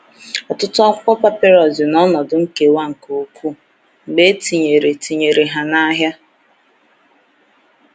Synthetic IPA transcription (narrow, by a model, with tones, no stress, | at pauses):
ɔ˨tʊ˦tʊ˦ɔ˦kɔ˦pa˦pe˦ɾɔ˨zɪ˨nɔ˦nɔ˨dʊ˨ŋ̩˦ke˨wa˦ŋ̩˨ko˨˦kʷu˦ | ŋ͡m̩˨ɡ͡be˦ti˨ɲe˨ɾe˨ti˨ɲe˨ɾe˨ɦa˨na˦ɦja˦